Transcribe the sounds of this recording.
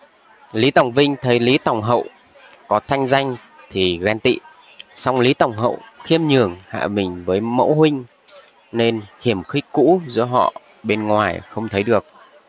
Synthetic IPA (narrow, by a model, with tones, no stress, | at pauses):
li˨˦t̪ə˨˩wŋ͡mvï˧ŋ̟t̪ʰə˨˦jli˨˦t̪a˨˩wŋ͡mɦə̰˧˨w | kɔ˨˦t̪ʰa˧jŋ̟za˧jŋ̟ | t̪ʰi˨˩ɣaː˧nt̪ḭ˧˨ | sa˧wŋ͡mli˨˦t̪ə˨˩wŋ͡mɦə̰˧˨wxi˧əmɲɨ˨˩əŋha̰ː˧˨ɓï˨˩ŋ̟vəː˨˦jmə̰˧˥whwï˧ŋ̟ | ne˧nhi˧˩əmxi˦˥k̚kṵ˧˥zɨ̰˧˥əɦɔ̰˧˨ | ɓe˧nŋwaː˨˩jxə˧wŋ͡mt̪ʰə˨˦jɗɨ˨˩ək̚